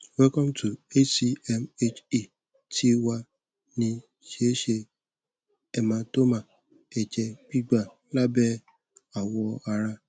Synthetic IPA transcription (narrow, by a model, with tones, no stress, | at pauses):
wɛ˦kɔ̃˦m̩˦tu˨e˦si˧ɛ˧me˦t͡ʃi˨ | tʰi˦wa˧ | nĩ˧ | ʃe˦ʃe˧ | ɛ˧mã˧˦to˦mã˨ | ɛ˨d͡ʒɛ˧ɡ͡b̥i˦ɡ͡ba˦˨ | la˦bɛ˦ | a˨wɔ˧a˧ɾa˧